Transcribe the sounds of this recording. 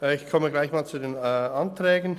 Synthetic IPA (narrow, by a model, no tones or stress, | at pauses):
ɛɪçkʰɔməɡlaɪçmaːlt͡sudeːnantrɛːɡən̩